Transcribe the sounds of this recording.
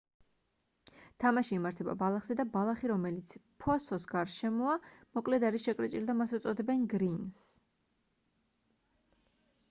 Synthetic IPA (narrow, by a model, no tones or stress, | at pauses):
t̪ʰamaʃiːmaɾt̪ʰɛba̰balˠaχz̥ɛd̪abalˠaχiɾɔmɛlit̪sʰpʰɔsɔsɡaɾʃɛmɔamɔkʼlɛd̪aɾiʃɛkʼɾɛt͡ʃʼild̪amasut̪sʼɔd̪ɛbɛnɡɾins